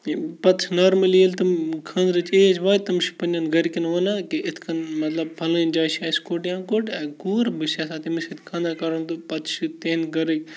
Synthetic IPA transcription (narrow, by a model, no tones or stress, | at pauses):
pɐt̪ʃnaːɾmɐlielt̪ɐmkʰɐ̃ːnd̪ɾɐt͡ʃeɐd͡ʒʋaːt̪ɐmʃi̥pɐnʲɐnɡɐɾkinʋɐnaːkiʔɪt̪ʰkʰɐnmɐt̪lɐb̚pʰɐlɐ̃nd͡ʒaːʃaːskoːʈjãːkoːʈɛːɡuːɾbɨsaːsaːt̪imisit̪ʰkʰɐ̃ːnd̪aːkɐɾɐnt̪upɐt̪ʃit̪eːnɡɐɾɐkʲ